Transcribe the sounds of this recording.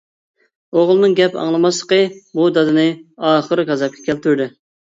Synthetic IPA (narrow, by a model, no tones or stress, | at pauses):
oʁlˠɨnɨŋɡʲɛpɑ̰ŋlˠɨmɑslˠə̥qəbud̪ɑd̪ɨnɨɑːχəɾɡɑzɑp̚kʲʰɛ̥kʲʰɛlt̪ʰyɾd̪ɪ